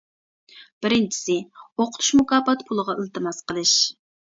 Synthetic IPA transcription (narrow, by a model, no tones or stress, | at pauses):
b̥ɪɾɪnt͡ʃʰi̥sɪoqʰʊt̪ʰu̥ʃmukɑːpɑt̪pʰulˠəʁɑilˠt̪ɨmɑsqəlˠɨʃ